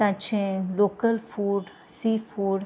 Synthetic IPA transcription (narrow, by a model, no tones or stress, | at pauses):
ãt͡ʃẽloːkəlfuːɖ | siːfuːɖ